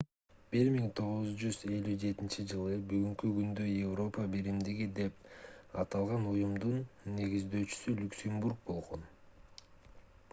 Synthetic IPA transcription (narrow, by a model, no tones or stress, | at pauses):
b̥iɾmiŋt̪ʰo̞ʁuzd͡ʒyze̞lʲyd͡ʒe̞t̪int͡ʃid͡ʒɯlˠɯbyɡyŋkyɡynd̪øjevro̞pəbeɾimd̪iɡid̪e̞pɑt̪ɑlˠʁɑnujumd̪unːe̞ɡizd̪ø̞ːt͡ʃy̥sylʲyksʲe̞mburk̚bo̞lˠʁo̞n